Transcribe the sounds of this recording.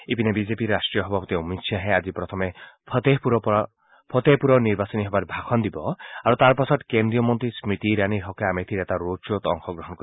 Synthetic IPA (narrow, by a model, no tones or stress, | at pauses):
epinebid͡ʒepiɾasʈɾijɔɦbʱapɔt̪iumiksʰjaɦẽad͡ʒipɾɔt̪ʰɔmepʰt̪epuɾɔp | pʰɔt̪epuɾɔniɾbasɔniɦɔbaɾbʱakʰɔnd̪ibɔaɾut̪aɾpasɔʈkend̪ɾijɔmɔnt̪ɾismit̪iɾaniɦɔkeamet̪ʰiɾet̪aɾot͡ʃot̪ɔ̰ŋkʰɔɡɾɔɦɔnɔk